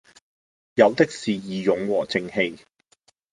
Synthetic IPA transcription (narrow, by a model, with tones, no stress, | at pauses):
jɐ˨˧wt̪ɪ˥k̚siː˨˩jiː˨˧jʊ˨˥ŋwɔː˨˩t͡sɪ˧ŋhe˧j